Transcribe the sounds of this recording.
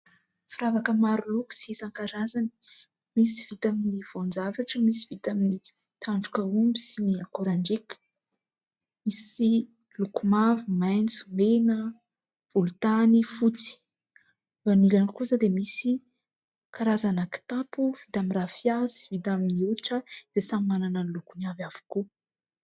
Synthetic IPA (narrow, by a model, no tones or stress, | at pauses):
fiɾavakəmaɾuluku̥sisaŋkaɾazani̥ | misiv̥it̪aminiv̥ond͡zavaʈ͡ʂəmisivit̪amini | t̪aɳɖ͡ʐukaumbisiniakoɾaɳɖ͡ʐekə̥ | misi | lukumavumajnt͡sumenə | v̥ulut̪anifut͡si̥ | v̥anilankuzad̪emisi | kʰaɾazanaki̥t̪apuv̥it̪aminrafjasi̥vit̪aminiuɾiʈ͡ʂəd̪̥esammananənlukunavavu̥ku